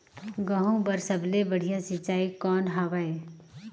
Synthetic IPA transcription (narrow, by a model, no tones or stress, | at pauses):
ɡəɦũbəɾsəblebəɽ̤ijasɪt͡ʃaːikɔːnɦɐʋae